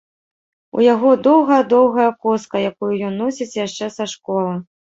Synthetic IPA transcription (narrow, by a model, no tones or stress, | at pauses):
ṵjaɣɔd̪ɔwɣɐjɐd̪ɔwɣɐjɐkɔskɐjakujujɔnːɔsʲit͡sʲjaʂt͡ʂɛsaʂkɔlˠɐ